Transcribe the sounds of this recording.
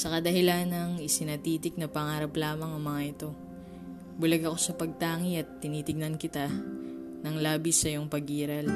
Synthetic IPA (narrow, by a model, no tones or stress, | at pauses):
sɐkɐd̪ɐhɪlanɐŋɪsɪnɐt̪iːt̪ɪk̚nɐpɐŋaːɾɐplaːmɐŋɐŋmɐŋaʔɪt̪o̞ | bʊlɐɡɐko̞sɐpɐɡ̚t̪aːŋiɐt̪ːɪniːt̪ɪɡ̚nɐnkɪt̪a | nɐŋlaːbɪsɐjoŋpɐɡʔiːɾɐl